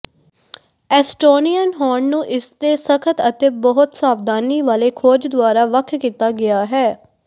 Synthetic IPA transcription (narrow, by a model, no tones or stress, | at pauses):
ɛːsʈoːnijənɦɔːɳnũːʔɪst̪eːsəkʰət̪ət̪eːbɔɦʊt̪saːʋd̪aːniːʋaːleːkʰoːd͡ʒd̪ʊaːɾaːʋəkʰkiːt̪aːɡɪaːɦɛː